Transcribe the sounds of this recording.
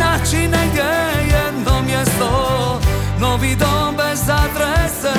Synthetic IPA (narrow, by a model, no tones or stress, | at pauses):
at͡ʃinɛɲɛjɛd̪nɔmjɛst̪ɔ | nɔvid̪ɔbɛzad̪ɾɛsɛ